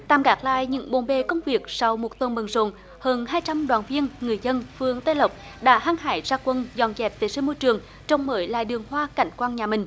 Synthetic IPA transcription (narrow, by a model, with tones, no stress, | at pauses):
t̪aː˨˩mkaː˨˦˥k̚la̰ː˧˨jɲɨ̰˧˥ŋɓo̰˧˩nɓe˨˩kə˧wŋ͡mvi˨˩ək̚sa˧wmo˨˩t̚t̪ə˧˩nɓə˨˩nzo̰˧˨n | həː˧˩nhaː˧jt͡ɕa˧mɗwaː˨˩nvi˧ənŋɨ˨˩əjzə˧nfɨ˧əŋt̪ə˧˦jlə˨˩wp̚ | ɗa̰ː˧˥haː˧ŋha̰ː˧˦jzaː˧kwə˧nzɔ̰˧˩nzɛ˨˩p̚t̪e˨˦si˧˦mo˧jt͡ɕɨ˨˩əŋ | t͡ɕɔ˧wŋ͡mməː˨˦jla̰ː˧˨jɗɨ˨˩əŋhwaː˧ka˧˩jŋ̟kwaː˧nɲaː˨˩mï˨˩ŋ̟